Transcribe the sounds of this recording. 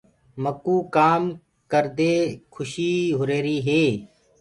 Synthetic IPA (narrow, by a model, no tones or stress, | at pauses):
məkuːkaːm | kəɾd̪eːkʰʊʃiːɦʊɾeːɾiːɦeː